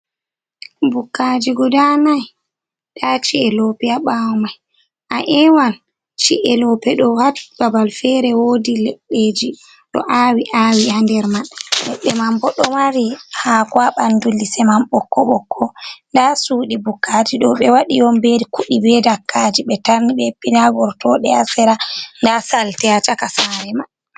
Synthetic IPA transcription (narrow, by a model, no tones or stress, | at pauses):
bukːad͡ʒiɡudanaj | ɗat͡ʃiɛlɔpɛaɓawɔmaj | ʔaʔɛwal | t͡ʃḭʔɛlɔpɛɗɔhatbabalfɛɾɛwodilɛɗːeːd͡ʒi | ɗɔ̰ʔaːwiʔawihandɛɾmaɗalɛ̰ɗːɛmambɔɗɔmaɾihakwaɓandulːisɛmamɓɔkːɔɓɔkʰːɔndasuːɗibukʰːad͡ʒiɗɔɓɛwaɗijɔmbeɾikuɗibɛdakʰːad͡ʒiɓɛtaɾniɓɛpːinaɡɔɾtɔɗɛasɛɾandasaltɛat͡ʃakasaɾɛmaɗ